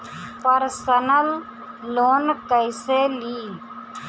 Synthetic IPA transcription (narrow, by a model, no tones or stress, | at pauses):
pəɾsənəlː | oːnkəɪseːliː